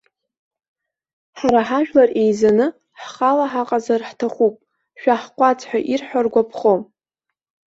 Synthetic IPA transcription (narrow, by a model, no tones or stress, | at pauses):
ħaɾaħaʒᶣlare̞jzanɨ | ħχalaħaqʼazarħtʰaχupʼ | ʃᶣaħqʷʼat͡sʰʼħʷᶣaʔirħʷᶣarɡʷapʰχo